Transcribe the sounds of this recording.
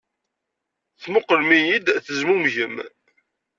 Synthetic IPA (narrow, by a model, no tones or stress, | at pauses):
θmʊqːəlmijid̪θəzmumʝəm